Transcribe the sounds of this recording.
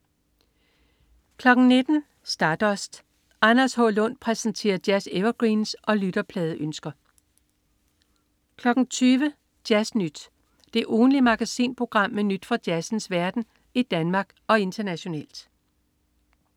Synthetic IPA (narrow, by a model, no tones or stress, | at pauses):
kʰlɒ̽ɡ̥n̩ne̝d̥n̩ | sd̥ɑ̈ːd̥ɒ̽sd̥ | ʔɑnɐshɒlɔ̽n̰pʰʁɛsn̩t͡sʰe̝̰ːɐd̥jæseʋɐɡ̥ʁiːnsʔɒ̽lyɾ̥ɐpʰlɛːðˠʔønsɡ̥ɐ | kʰlɒ̽ɡ̥n̩t͡sʰyːʋə | d̥jæsnyd̥ | d̥e̝ʔɔːn̩limɑ̈ɡ̥æsḭːnpʰʁo̝ɡ̥ʁɑ̈m̰menyd̥fɒd̥jæsn̩sʋæɐd̥n̩ | id̥ænmɑ̈ːɡ̥ɒ̽e̝nd̥ʰɐnæɕo̝nɛ̰ːl̰d̥